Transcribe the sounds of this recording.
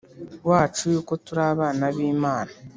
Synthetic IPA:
waːt͡ʃujuːko̞tuɾaβaːnaβiːmaːna

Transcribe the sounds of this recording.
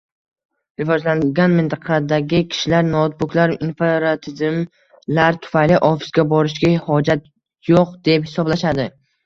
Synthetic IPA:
ɾɪvɒd͡ʒlaŋɡʲanmɪnt̪ʰɑqʰɑd̪aɡʲɪkʲʰɪ̥ʃɪlaɾnɒt̪̚bʊkʲlaɾinfeɾat̪ʰɪzm | laɾt̪ʰʊ̥fajlɪʔɒfɪ̥sɡʲabɒɾɪʃɡʲahhɒd͡ʒat̪ | joq̚d̪̥e̞phɪsɒblaʃad̪ɪ

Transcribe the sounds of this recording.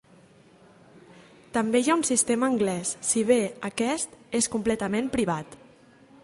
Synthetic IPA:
t̪əmbejaunsist̪eməːŋɡlɛsːiβeəkɛst̪eskumplɛt̪əmempɾiβ̞at̪

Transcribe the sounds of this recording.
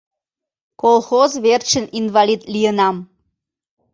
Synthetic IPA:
kolˠxozvert͡ɕəninvɑlid̪lijənɑm

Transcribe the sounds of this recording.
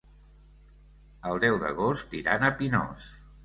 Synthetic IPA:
əlˠd̪ɛwðə̰ɣ̞ost̪iɾanəpinɔ̰s

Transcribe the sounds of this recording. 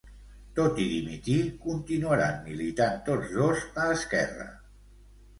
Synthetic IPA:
t̪ot̪iðimit̪ikunt̪inuəɾanmilit̪ant̪od͡zðozəəskɛrə̰

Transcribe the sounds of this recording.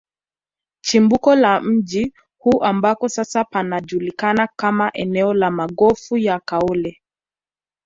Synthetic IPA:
t͡ʃimbukɔlam̩d͡ʒi | huʔambakɔsasapanaʄulikanakamaʔɛnɛɔlamaɡɔfujakaɔlɛ

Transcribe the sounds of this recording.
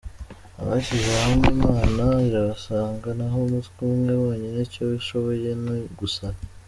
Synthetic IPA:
a̰βaɕizahamimaːnaiɾaβasaːŋɡanaɦomutkumŋe̞βwaːɲenicoβiʃo̞βo̞je̞neɡusa

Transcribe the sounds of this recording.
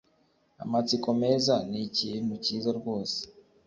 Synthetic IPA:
a̰mat͡siko̞me̞ːzanicin̥huciːzaɾɡo̞ːse̥

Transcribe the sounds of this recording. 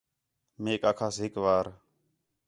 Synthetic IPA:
meːkaːkʰaːsɦɪkʋaːɾ

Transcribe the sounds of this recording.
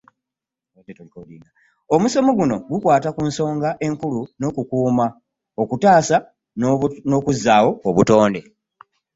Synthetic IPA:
detkoliːŋa | omusomuɡuno̞ɡukwaːtakuːnso̞ːŋɡaʔe̞ŋkuluno̞kukuːma | o̞kutaːsa | no̞ːkuzːaːwo̞ːβuto̞ːnde̞

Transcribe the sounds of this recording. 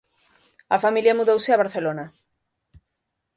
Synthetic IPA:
ɐfamiljɐmuðowsɪaβaɾθelonɐ

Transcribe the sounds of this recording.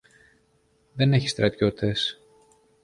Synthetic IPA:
ðe̞ne̞çi̥st̪ɾɐt̪jo̞t̪ʰe̞s

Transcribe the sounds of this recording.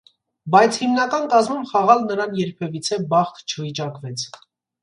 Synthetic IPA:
bɑjt͡sʰhimnɑkɑnkɑzmumχɑʁɑlnəɾɑnjɛɾpʰɛvit͡sʰɛbɑχt̪t͡ʃʰəvit͡ʃɑkvɛt͡sʰ

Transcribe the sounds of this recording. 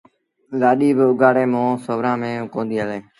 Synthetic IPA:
laːɗiːbɪʊɡaːɽeːmõːsəʋɾãːmẽːkõːnd̪iːəleː

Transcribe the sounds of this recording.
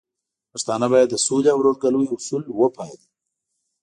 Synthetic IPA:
past̪ɑnabɑjad̪ːəsulaawɾoɾɡaluiʊsulwəpɑd̪i

